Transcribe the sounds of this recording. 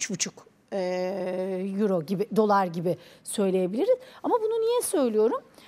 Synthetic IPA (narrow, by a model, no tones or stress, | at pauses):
t͡ʃbut͡ʃʰuk | ɛ | juɾo̞ɟibɪd̪o̞lˠaɾɟibɪsø̞jlʲeje̞bilʲiɾiz̥amabununijɛsø̞jlʲijo̞ɾum